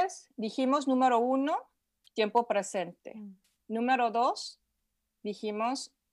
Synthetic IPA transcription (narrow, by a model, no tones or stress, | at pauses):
sd̪iximoznũmeɾouno | t̪je̞mpopɾesent̪ḛ | nũmeɾoðos | d̪iximos